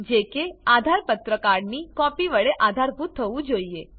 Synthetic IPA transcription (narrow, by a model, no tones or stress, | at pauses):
d͡ʒekead̪ʱaɾpət̪ɾəkaɾɽnikɔpiʋəɭeʔad̪ʱaɾbʱut̪ʰːəʋũd͡ʒoie